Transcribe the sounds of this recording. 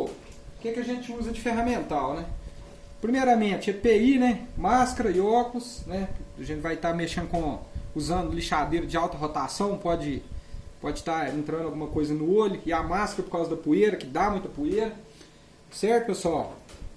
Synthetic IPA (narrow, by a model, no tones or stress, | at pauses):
o | ʊkekɪɐʒẽt͡ʃɪuzɐd͡ʒɪfeɦɐmẽnt̪awnɛ | pɾimejɾɐmẽt͡ʃɪepeinɛmaskɐɾɐɪɔkʊsnɛɐʒẽt͡ʃɪvajt̪ameʃẽnd̪ʊkõuzɐ̃nd̪ʊliʃad̪eɾɐd͡ʒɪawt̪ɐɦot̪asɐ̃w̃pɔd͡ʒɪpɔd͡ʒɪt̪aẽnt̪ɾɐ̃d̪awɡũmɐkojzɐnʊoʎʊɪamaskɐɾɐpoɾkawzɐd̪ɐpueɾɐkɪd̪amũj̃t̪ɐpueɾɐ | sɛɾt̪ʊpesuaw